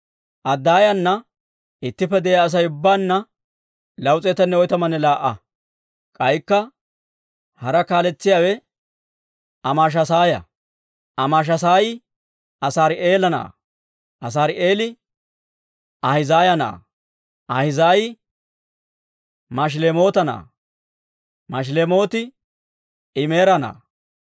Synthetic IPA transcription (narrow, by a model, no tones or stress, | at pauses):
ʔɐd̪ːaːjɐnːɐ | ɪt̪ːɪpːɛd̪ɛjaːs̬ɐjʊbːaːnːɐ | lɐwt͡sʼeːt̪ɛnːɛɔjt̪ɐmɐnɛlaːʔːɐ | kʼɐjkːɐ | hɐɾɐkaːlɛt͡sːɪjaːwɛ | ɐmaːʃ̬ɐsaːjɐ̰ | ɐmaːʃ̬ɐsaːjɪ | ɐsaːɾɪe̞ːlɐna̰ː | ʔɐs̬aːɾɪe̞ːlɪ | ʔɐhɪzaːjɐna̰ː | ʔɐhɪzaːjɪ | mɐʃ̬leːmo̞ːt̪ɐna̰ː | mɐʃ̬leːmo̞ːt̪ɪ | ɪme̞ːɾɐna̰ː